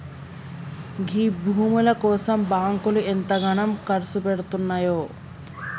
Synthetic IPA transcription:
ɡʱibuɦumolakoːsɐmbaːŋkoliʔent̪aɡaɳɐmkɐɾsupeɽt̪unːajo

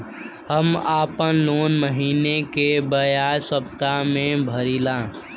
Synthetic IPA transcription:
həmaːpənloːnməɦiːnekebəjaːjsəpt̪amẽbʱəɾilãː

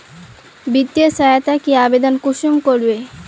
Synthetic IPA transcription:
bit̪ːiosajat̪akiabed̪onkuʃumkoɾbe

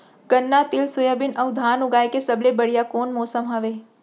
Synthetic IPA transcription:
ɡ̥ənːat̪ilsʊjabinəwd̪ʱanuɡajkesəblebəɽjakonmɔːsəmɦaʋe

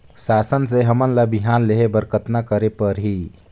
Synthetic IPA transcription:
saːsəns̬eɦəmənlabiɦaːnleɦebəɾkət̪nakəɾepəɾɦi

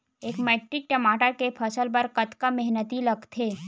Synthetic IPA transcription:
eːkmɛːʈɾɪk̚ʈɐmaːʈəɾkepʰɐsəlpɐɾkɐt̪kamɛɦnət̪ilɐɡt̪ʰeː

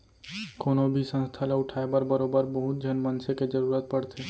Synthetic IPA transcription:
koːnobʱisə̃nst̪ʰaleʊʈʰaːebəɾbəɾoːbəɾbəɦut̪̚d͡ʒʱənmənseked͡ʒəɾuːɾət̪̚pəɽt̪ʰe

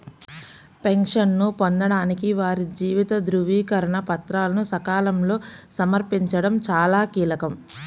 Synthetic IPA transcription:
pe̞ŋʂɐnːupond̪ɐɽaːnikiʋaːɾid͡ʒiːʋit̪ɐd̪ɾuʋiːkɐɾɐɳɐpɐt̪ɾaːlɐnusɐkaːlɐmlo̞ːsɐmɐɾpiɲt͡ʃɐɽɐmt͡ʃaːlaːkiːlɐkɐm

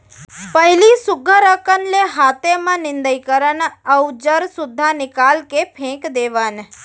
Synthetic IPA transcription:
pəɦilisʊɡʱəɾəkənleɦat̪emãnɪ̃nd̪əjkəɾənəwd͡ʒəɾsʊd̪ʱːanɪkalkepʰẽkd̪eʋan

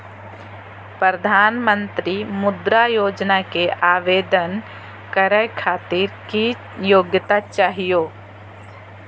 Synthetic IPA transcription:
pɾɾəd̪ʱaːnmə̃nt̪ɾimʊd̪ɾajoːd͡ʒnakeʔaːʋeːd̪ən | kəɾəjkʰaːt̪ɪɾki | joːɡjət̪at͡ʃaːɦijoː

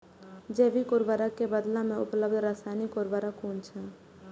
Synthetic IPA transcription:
d͡ʒeːʋikʊːɾbəɾakːebəd̪lãmẽʊ̰pləbd̪ɾaːsaːnikoːɾbəɾakuːnt͡ʃʰãː

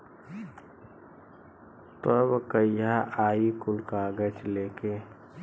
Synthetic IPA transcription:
t̪əbkəjaʔaːikʊlkaɡət͡ʃleːke

